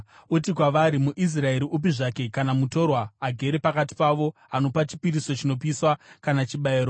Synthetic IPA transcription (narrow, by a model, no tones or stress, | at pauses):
ut̬ikwaʋaɾimuʔis̬rae̞ɾiʔup̬iʐake̞kanamuto̞rwaːɡʱe̞ɾe̞pakat̬i̥paʋo̞ano̞pat͡ʃi̥piɾiso̞t͡ʃinop̬iswakanat͡ʃiɓaeːɾo